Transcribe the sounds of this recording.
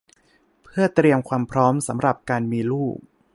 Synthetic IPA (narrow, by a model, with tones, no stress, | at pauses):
pʰɯ˥˩ɐt̪ɾi˧əmkʰwaː˧mpʰɾɔː˦˥msa˩˦mɾa˨˩p̚kaː˧nmiː˧luː˥˩k̚